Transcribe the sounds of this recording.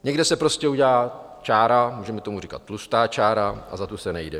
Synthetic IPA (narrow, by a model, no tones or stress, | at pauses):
ɲɛɡdɛsɛpɾo̞scɛuɟɛlaː | t͡ʃaːɾamuːʒɛmɛt̪o̞muriːkat̪̚ːlust̪aːt͡ʃaːɾaʔa̰zat̪osɛnɛjdɛ